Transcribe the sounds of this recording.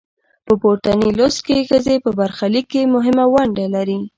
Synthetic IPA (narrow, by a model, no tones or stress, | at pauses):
pəpoʈ̪anilost̪̚kexəzepəbaɾxalikːemʊɦɪmawaɳɖalaɾi